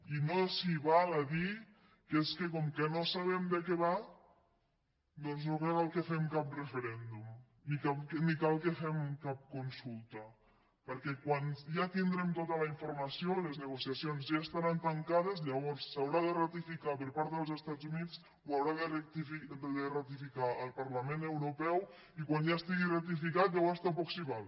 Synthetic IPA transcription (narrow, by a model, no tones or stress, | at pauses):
inosiβalaði | keskəkɔmkənosaβɛmd̪əkɛβa | d̪ɔnznokakalˠkəfɛmkap̚rəfəɾɛnd̪um | nikanikalˠkefɛmkap̚kunsulˠt̪ə | pəɾkɛkwanʒat̪ind̪ɾɛmt̪ot̪ələiɱfuɾmɐsioləznəɣ̞usiasionzʒaest̪aɾant̪əŋkað̞əzʎəβ̞ɔɾsːawɾaðərət̪ifikapəɾpaɾt̪ðəlˠzəst̪ad͡zunit͡s | wawɾaðərət̪ifid̪ðərət̪ifikaəlˠpaɾləmẽnəwɾupɛw | ikwanjast̪iɣirək̚t̪ifikat̪̚ʎawβɔɾst̪apɔksiβal